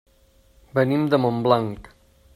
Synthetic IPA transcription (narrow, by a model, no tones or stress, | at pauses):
bənimd̪əmomblaŋk